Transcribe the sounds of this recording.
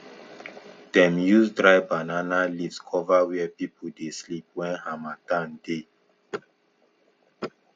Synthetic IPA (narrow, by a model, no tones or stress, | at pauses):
d̥ɛ̃mjusdɹaɪbananalivskʰɔvawɛɛpipʰudeslip̚wɛ̃nhamatãnde